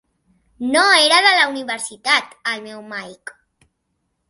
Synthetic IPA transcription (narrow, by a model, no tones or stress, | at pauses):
noeɾaðəlauniβəɾsit̪at̪əlmɛwmajk